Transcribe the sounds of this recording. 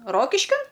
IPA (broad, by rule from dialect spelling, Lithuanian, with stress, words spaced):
ˈroːkʲɪʃʲkʲɪn